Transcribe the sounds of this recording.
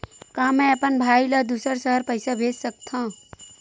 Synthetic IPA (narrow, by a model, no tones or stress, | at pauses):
kãːmɛ̃əpənbʱaːjləd̪usəɾsəɦəɾpəɪsabʱessək̚t̪ʰã